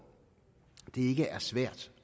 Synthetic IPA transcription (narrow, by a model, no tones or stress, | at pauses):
d̥e̝e̝ɡ̥əʔæɐsʋæɐ̰d̥